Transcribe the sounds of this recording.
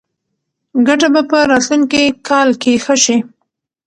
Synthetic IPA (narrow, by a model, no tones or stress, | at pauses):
ɡaʈabapəɾɑt̪luŋkikʰɑlkexəʃi